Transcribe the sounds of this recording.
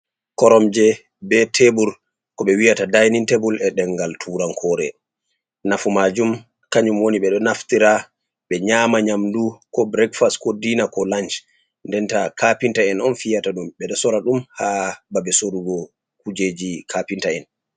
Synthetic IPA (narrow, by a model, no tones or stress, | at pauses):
kɔɾɔmd͡ʒɛ | bɛtʰebuɾ | kɔɓɛwijatadajnintebulɛɗɛŋɡaltʰuːɾaŋkʰɔːɾɛ̰ | nafumad͡ʒum | kaɲumwoniɓɛɗɔnaftiɾa | ɓɛɲaːmaɲamdukɔbɾɛkfaskodiːnakɔlant͡ʃ | ndɛntakapintaɛnɔnfijataɗumɓɛɗɔsɔɾaɗumhababɛsoɾuɡɔ | kud͡ʒed͡ʒikʰapintaɛn